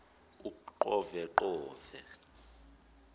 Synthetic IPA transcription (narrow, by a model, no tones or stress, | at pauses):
ukʼuǃɔvɛǃɔːvɛ